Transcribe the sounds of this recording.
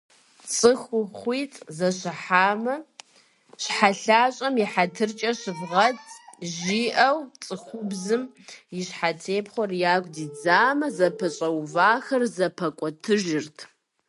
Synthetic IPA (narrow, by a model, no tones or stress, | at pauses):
t͡sʼɨxʷʊχʷiːtʼzɐɕɨħaːmɐ | ɕħaɬaːɕʼɐmiħatʰɨrt͡ʃʼɐɕɨvʁɐtʰʒiːʔɐwt͡sʼɨxʷʊbzɨm | jɪɕħatʰeːpχʷɔrjaːkʷʼdiːd͡zaːmɐzɐpʰɐɕʼɐwvaːxɐrzɐpʰɐkʷʼɔtʰɨʒɪrtʰ